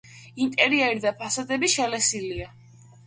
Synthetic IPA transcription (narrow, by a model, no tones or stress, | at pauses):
int̪ʼɛɾiɛɾid̪apʰasad̪ɛbiʃɛlɛsilia